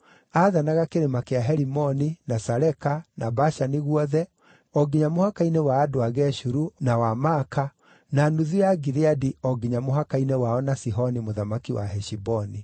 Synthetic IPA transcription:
aðanaɣakeɾemakeaɦɛɾimɔninasaɾɛkanabaʃaniɣwɔðɛ | ɔɡiɲamohakainewaːdoaɣɛʃuɾunawamaka | nanuðujaɡiɾeadiɔɡiɲamoɦakainewaɔnasiɦɔnimoðamakiwa̰ɦɛʃibɔni

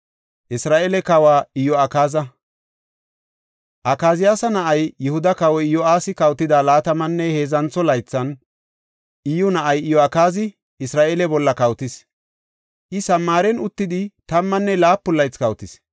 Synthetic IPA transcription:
ʔɪsɾaːʔɛlɛkɐwaːɪjɔɐkaːzɐ | ʔɐkaːzɪjaːsɐnɐʔɐjːɛhʊd̪ɐkɐwɔɪjɔaːsɪkɐwt̪ːɪd̪aːlaːt̪ɐmɐnːɛhe̞ːzɐnt͡sːɔlɐjt͡sːɐn | ʔɪjɔnɐʔɐjɪjɔɐkaːzɪ | ɪsɾaːʔeːlɛbɔlːɐkɐwt̪ɪs | ʔɪsɐmːaːɾɛnʊt̪ːɪd̪ɪt̪ɐmːɐnːɛlaːpːʊlːɐjt͡skɐwt̪ɪs

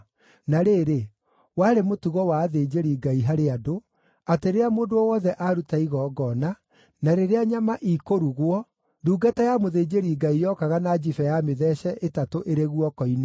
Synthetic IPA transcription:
naɾeːɾe | waɾemotuɣɔwaːðed͡ʑeɾiɡaiɦaɾeado | ateɾeamoːndoɔwɔðɛʔaɾutaiɣɔːɡɔna | naɾeɾeaɲamaʔikoɾuɣwɔ | duːɡatajamoðeːd͡ʑeɾiɡaijɔkaɣanad͡ʒifɛjameðɛɕɛʔetatoʔeɾeɣwɔkɔine

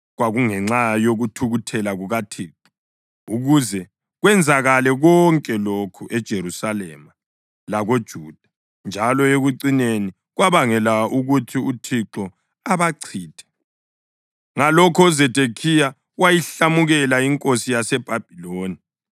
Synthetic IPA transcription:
ɣwaɣuŋɛŋ͡ǁajoɣutʰuɣutʰɛlaɣuɣatʰiːǁɔ̥ | uɣuzɛ | ɣwɛnd͡zʱaɣalɛɣɔŋkʼɛlokʰuʔɛd̥ʒ̥ʱeɾusalɛ̰ːma | laɣod̥ʒ̥ʱuːd̥ʱḁ | nd͡ʒʱalɔeɣuǀineni | ɣwaβaŋɛlauɣutʰiutʰiǁɔ | aβaǀʰiːtʰɛ̥ | ŋalɔkʰɔzɛd̥ʱekʰija | wajiɬamuɣɛlaiŋkʼosijasɛb̥ʱab̥ʱiloːni

